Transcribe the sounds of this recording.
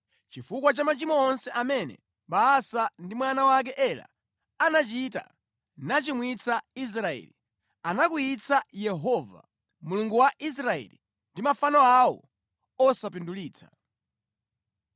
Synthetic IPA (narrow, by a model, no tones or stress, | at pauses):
t͡ʃifukwat͡ʃamat͡ʃimɔɔnsɛʔamɛnɛ̰ | ɓaːsandimwanawak̬ɛʔɛla̰ː | nat͡ʃita̰ | nat͡ʃimwit͡sʰais̬ɾaɛ̰ːli | anakuit͡sʰajɛɦɔva̰ | muluŋɡuwaʔis̬ɾaɛ̰lḭ | ndimafanɔawɔ̰ | ɔsapinduliːt͡sʰḁ